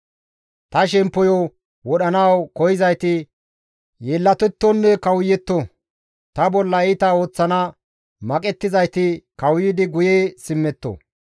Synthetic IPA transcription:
t̪ɐʃɛmpːɔjɔ | wɔɗɐnɐwkɔjɪzɐjt̪ɪ | jeːlːɐt̪ɛt̪ːɔnːɛkɐwjːɛt̪ːɔ | t̪ɐbɔlːɐɪt̪ɐo̞ːt͡sːɐnɐ | mɐkʼɛt̪ːɪzɐjt̪ɪkɐwjɪːd̪ɪɡʊjeːsɪmːɛt̪ːo̰

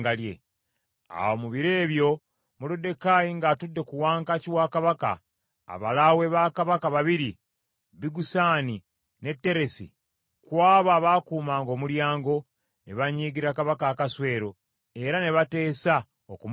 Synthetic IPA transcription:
ɡaljḛ | a̰womuβiɾe̞ːβjo̞ | muludːe̞kaːjiŋɡaːtudːe̞kuwaːŋkaciwaːkaβaka̰ː | βalawe̞βaːkaβakaβaβiɾi | βiɡusaːni | ne̞tːe̞ɾe̞sḭ | kwaːβaːβakuːmaːŋɡo̞ːmuljaːŋɡo̞ | neβaɲiːɡiɾakaβakaːkaswe̞ːɾo̞ | e̞ɾane̞βate̞ːsa | okum

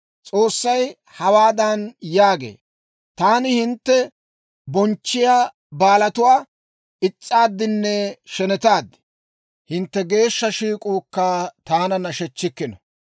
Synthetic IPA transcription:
t͡sʼo̞ːsːɐj | hɐwaːd̪ɐnjaːɡḛː | t̪aːnɪhɪnt̪ːɛ | bɔnt͡ʃːɪjaː | baːlɐt̪ʊwaː | ɪt͡sʼːaːd̪ːɪnːɛʃɛnɛt̪aːd̪ːɪ̥ | hɪnt̪ːɛɡe̞ːʃːɐʃiːkʼuːkːaːt̪aːnɐnɐʃɛt͡ʃːɪkːɪnɔ

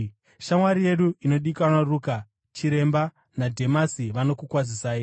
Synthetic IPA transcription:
ʃamwaɾije̞ɗuino̞ɗikanaruka | t͡ʃiɾe̞mba | nadʱe̞masiʋano̞kukwazisaːji

